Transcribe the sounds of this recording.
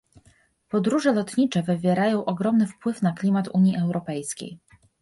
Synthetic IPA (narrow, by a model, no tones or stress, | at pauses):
pɔd̪ɾuʐɛlɔt̪ɲit͡ʂɛvɘvʲjɛɾajɔ̃w̃ʔɔɡɾɔmnɘfpwɘfnaklʲimat̪uɲjiʔɛwɾɔpɛjskʲḛj